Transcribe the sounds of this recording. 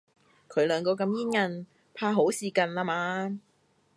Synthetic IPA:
kʰɵ˨˧ɥlœː˨˧ŋkɔː˧k̬ɐ˧mjiː˥nŋɐ˧n | pʰaː˧ɦo˨˥wsiː˨˧kɐ˧nlaː˧maː˧

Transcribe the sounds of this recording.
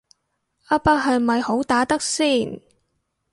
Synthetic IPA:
ʔaː˥paː˥k̚ɦɐ˨˧jmɐ˨jho˨˥wt̪aː˨˥t̪ɐ˥k̚siː˥˩n

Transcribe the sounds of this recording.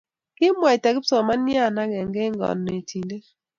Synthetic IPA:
kɪ˦mwa˨i˨ta˨kɪ˦psɔ˨ma˦nja˦˨na˦ɡɛ˨ŋɡɛ˦ŋɡɔ̰˨nːe˨tʰi˨nde˦

